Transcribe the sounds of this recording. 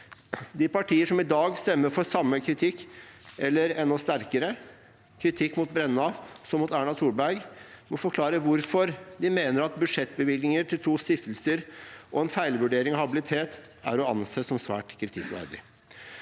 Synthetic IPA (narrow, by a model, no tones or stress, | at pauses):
d̪ɪpɑʈʰiːəʂɔmɪd̪ɑːɡst̪ɛmːəɾfɔɾsɑmːəkʰɾɪt̪ʰɪkːɛlːəɾɛnːɔst̪æɾkəɾə | kʰɾɪt̪ʰɪkːmut̪bɾɛnːɑsɔmːuːt̪æːɳɑt̪ʰuːɾbæɾɡmɔfɔɾkʰlɑːɾəʋʊɾfɔɾd̪ɪmeːnəɾɑt̪̚bʉʂɛt̪ːbəʋɪlɪŋəʈʰɪlt̪ʰuːst̪ɪft̪əl̩səɾʔɔɛnfæɪlʋʉɖeːɾɪŋɑhɑbɪlɪt̪ʰeːt̪ | æ̰ɾɔɑ̰nseːsɔmsʋæ̰ːʈkʰɾɪt̪ʰɪkʋæ̰ɾɖɪ̰